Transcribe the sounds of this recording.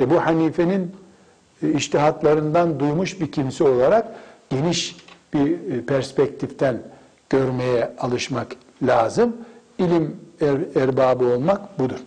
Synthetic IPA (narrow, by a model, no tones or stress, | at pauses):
ebuhaniːfe̞nin | iʃt̪ʰiɦat̪lˠaɾɯnd̪and̪ujmuʃbicʰimsio̞lˠaɾakɟ̥e̞niʃb̥ipʰæɾspɛc̚t̪ʰift̪ʰæn | ɟ̥ø̞ɾme̞jɛalˠɯʃmak | lʲaːzɯm | ilʲim | æɾbaːbɯo̞lˠmakbud̪uɾ̥